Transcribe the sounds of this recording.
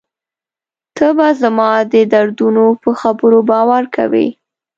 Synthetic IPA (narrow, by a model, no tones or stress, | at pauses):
t̪ʰəbazamɑd̪əd̪aɾd̪unopəxabəɾobɑwaɾka̰wḭ